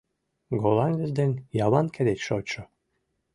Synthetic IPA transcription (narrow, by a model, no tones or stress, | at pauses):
ɡolˠɑŋɡɘ̆zd̪ĕnʲjɑβɑnkʰed̪et͡ɕʃot͡ɕŏ